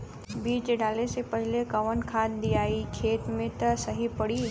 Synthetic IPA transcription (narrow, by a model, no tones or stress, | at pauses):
biːd͡ʒeɖaːlesepɐɦɪlekɐʋənkʰaːd̪d̪ijaːikʰeːt̪mẽt̪ɐsɐɦipɐɽiː